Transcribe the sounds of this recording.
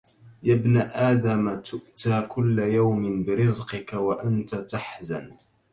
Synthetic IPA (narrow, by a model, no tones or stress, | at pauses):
jabnaʔaːd̪amat̪ʊʔt̪aːkʊlːajawmɪnbɪɾɨzqɨkawaʔant̪at̪aħzan